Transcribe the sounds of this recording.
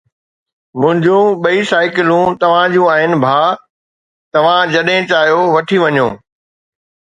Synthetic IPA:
mʊ̃ɦɪ̃ɲd͡ʑũɓɐisaːɪkɪlũt̪ɐʋ̤ãd͡ʑũaːɦɪnɪ̆bʱaː | t̪ɐʋ̤ãd͡ʑɐɗɦẽt͡ɕaːɦjoʋɐʈʰiʋɐɲṵ̃ː

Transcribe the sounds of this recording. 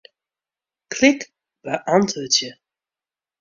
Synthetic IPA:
klɪk | b̥əʔɑntətjə

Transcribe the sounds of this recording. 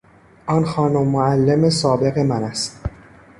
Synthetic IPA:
ʔɒnxɒːnomːoælːemesɒːbe̞ɣe̞mænæst̪

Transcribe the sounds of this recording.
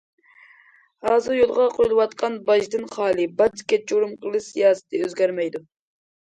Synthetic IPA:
hɑːzɨɾjolˠʁɑqʰojlˠɨwɑt̪qʰɑnbɑʒd̪ɨnχɑːlˠɨbɑt̪i̥kʲːɛt͡ʃʰoɾumqʰəlˠɨʃsijɑːsɨ̥t̪ʰɨøzɡʲæɾmɛjd̪u

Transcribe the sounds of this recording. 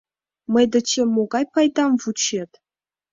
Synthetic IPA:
mɤ̆jd̪ɤ̆t͡ɕemoɡɑjpɑjd̪ɑmvut͡ɕet̪ʲ

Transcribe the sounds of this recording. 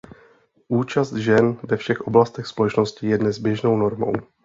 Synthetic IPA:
ʔuːt͡ʃast̪ʒɛnvɛfʃɛxʔo̞blast̪ɛxspolɛt͡ʃno̞scɪjɛdnɛzbjɛʒnowno̞ɾmo̞̰w

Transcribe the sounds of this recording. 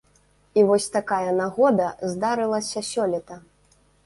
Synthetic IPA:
ivɔsʲt̪akajɐnaɣɔd̪ɐzd̪aɾɨlˠɐsʲɐsʲɔlʲɛt̪ɐ

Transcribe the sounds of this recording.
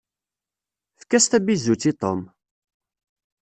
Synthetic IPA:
fkːæst̪æbizːut͡sːit̪ˤom

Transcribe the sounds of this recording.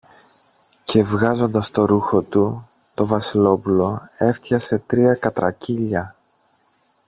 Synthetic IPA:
ce̞vɣɐzo̞nd̪ɐst̪o̞ɾuxo̞t̪u | t̪o̞vɐsilo̞pulo̞e̞ft̪çɐse̞t̪ɾiɐkɐt̪ɾɐ̰ciʎɐ

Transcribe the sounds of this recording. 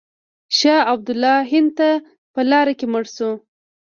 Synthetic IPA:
ʃɑab̚d̪ʊlːɑɦɪnd̪t̪a | pəlɑɾakeməɽsu

